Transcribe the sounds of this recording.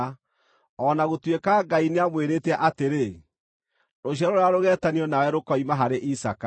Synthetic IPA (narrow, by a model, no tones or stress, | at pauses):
ɔnaɣotwekaɡaineamweɾeːtɛʔateɾe | noɕ̬jaɾoɾeaɾoɣɛːtaniɔnawɛɾokɔimaɦaɾeʔisaka